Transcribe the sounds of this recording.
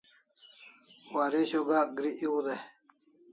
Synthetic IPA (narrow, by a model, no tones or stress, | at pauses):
waːɾeɕoɡaːɡɾiʔiwud̪e